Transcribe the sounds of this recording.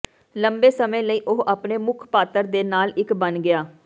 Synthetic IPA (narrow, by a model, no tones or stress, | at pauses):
ləmbeːsəmẽːləiːʔʊɦʔaːpneːmʊkʰpaːt̪əɾd̪eːnaːlɪkbənɡɪaː